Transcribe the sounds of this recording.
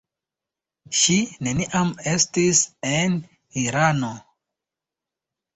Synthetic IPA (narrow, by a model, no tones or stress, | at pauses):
ʃine̞niʔame̞stisen | iɾano